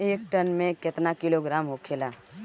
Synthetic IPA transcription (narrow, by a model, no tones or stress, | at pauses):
eːk̚ʈənmẽkɪt̪nakɪloɡɾaːmɦokʰeːlaː